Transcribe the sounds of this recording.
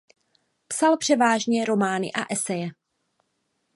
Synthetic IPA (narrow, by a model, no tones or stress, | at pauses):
psalpr̝̥ɛvaːʒɲɛɾo̞maːnɪ̰ʔaʔɛsɛjɛ